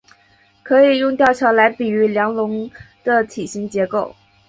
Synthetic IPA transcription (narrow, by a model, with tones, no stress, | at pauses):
kʰɤ˧˥i˨˩jʊ˥˧ŋt̪jɑ˥˩ʊt͡ɕʰjɑ˧˥ʊla˧˥ɪpi˨˩y˧˥ljɑ˧˥ŋlʊ˧˥ŋd̪̥ə˧t̪ʰi˨˩ɕi˧˥ŋt͡ɕjɛ˧˥ko˥˩ʊ